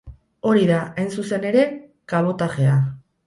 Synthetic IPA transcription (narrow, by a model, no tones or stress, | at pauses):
o̞ɾiðaajnsuse̞ne̞ɾe̞ | kaβ̞o̞t̪aʝe̞a